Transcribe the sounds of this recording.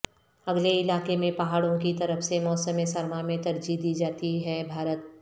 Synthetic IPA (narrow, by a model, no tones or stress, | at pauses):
ɐɡleɪlaːkemẽpɐɦaːɽõkit̪ɐɾəfsemɔːsəmesɐɾmamẽt̪ɐɾd͡ʒid̪iːd͡ʒaːt̪iɦɛbʱaːɾət̪̚